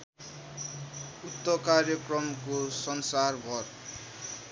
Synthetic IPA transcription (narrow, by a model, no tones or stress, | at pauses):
ut̪ːʌkarjʌkrʌmkosʌnsarɡʱʌr